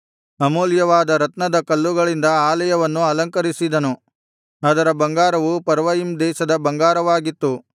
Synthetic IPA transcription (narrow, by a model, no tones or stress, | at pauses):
ɐmoːljɐʋaːd̪ɐɾɐt̪nɐd̪ɐkɐlːuɡɐɭind̪ɐaːlɐjɐʋɐnːuɐlɐŋkɐɾisid̪ɐnu | ad̪ɐɾɐbɐŋɡaːɾɐʋupɐɾʋɐjimd̪ɛːʃɐd̪ɐbɐŋɡaːɾɐʋaːɡit̪ːu